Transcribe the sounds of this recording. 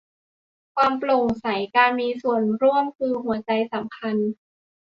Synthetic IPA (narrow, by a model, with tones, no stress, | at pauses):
kʰwaː˧mplo˨˩ŋsa˩˦jkaː˧nmiː˧su˨˩ənɾu˥˩əmkʰɯː˧ɦu˩˦ɐt͡ɕa˧jsa˨˩˦mkʰa˧n